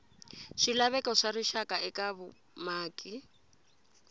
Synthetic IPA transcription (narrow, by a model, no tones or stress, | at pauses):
ʃilaβɛkɔʂariʃakaɛkaβʊ | maːkʼi